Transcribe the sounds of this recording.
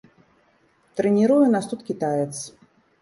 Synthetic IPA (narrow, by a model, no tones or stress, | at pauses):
t̪ɾɛnʲiɾujunast̪ut̪kʲit̪ajɛt̪s